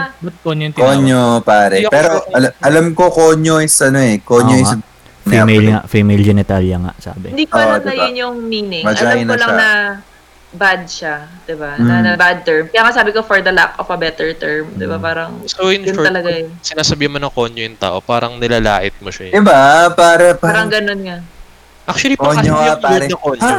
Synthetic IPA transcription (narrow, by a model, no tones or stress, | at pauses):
bt̪̚koɲokkoɲopaːɾɛpɛːɾoɐlʔɐlɐmkokoːɲoɪsʔɐno̞ɛkoɲɲoɪs | nimejla̰fimejld͡ʒɛnɪt̪aljɐŋa̰ʔsa̰ːbɪ̰d̪iːkod̪ɐjʊnjʊŋmiːnɪŋmɐɐd͡ʒaaɪnɐlɐŋnɐ | bad̪̚ʃad̪̥ɪbanɐnɐbad̪̚t̪ɛɹmkɐjaːŋɐʔsaːbɪkofɔɹd̪ɐla̰kɔfɐbɛt̪ɛɹt̪ɛɹmd̪ɪbapaːɾɐŋsoɪnnt̪ɐlɐɡasɪnaːsɐbiːhɪnmɐnɐŋkoːɲjojʊŋt̪a̰ːʔo̞paːɾɐŋnɪlaːlaːʔɪt̪̚moʃad̪ɪbapaːɾɐpaːɾɐŋɡɐnonŋɐ | ʔak̚t͡ʃʊɐliɐɐjɐuɐŋkoːɲ